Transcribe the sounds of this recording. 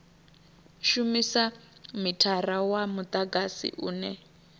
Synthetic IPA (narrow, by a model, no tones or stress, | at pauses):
ʃumisamitʰarawamut̪ʼaɡasḭʔuːnɛ